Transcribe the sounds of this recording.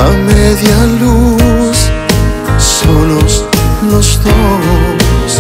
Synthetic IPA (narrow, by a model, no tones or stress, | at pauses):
ameðjalusː | oloslost̪olos